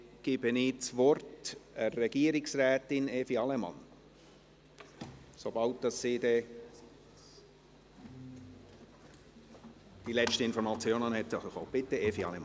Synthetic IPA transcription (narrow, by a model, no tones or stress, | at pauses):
ɡ̥ɪb̥əniːt͡sʋɔrtɛrːɛɡ̥iːəɾɪksrɛːt̪ɪneːfiɑlɛmɑ̰n | sobɑlt̚d̪̥ɑsːiːdɛ | d̥ilɛt͡ʃtəɪnfɔɾmɑt͡sjoːnɑnhɛt̪xob̥ɪtːəeːfiɑ̰lɛmɑn